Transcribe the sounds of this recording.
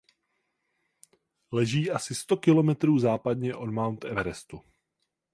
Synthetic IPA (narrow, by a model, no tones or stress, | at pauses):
lɛʒiːʔasɪst̪o̞kɪlo̞mɛt̪ɾuːzaːpadɲɛʔo̞dmawnt̪ʔɛvɛɾɛst̪u